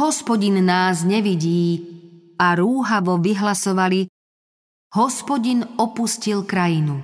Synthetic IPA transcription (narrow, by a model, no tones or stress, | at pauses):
ɦɔspɔɟinːaːzɲɛʋiɟiː | aɾuːɦaʋɔʋiɦlasɔʋali | hɔspɔɟinɔpuscilkɾajinu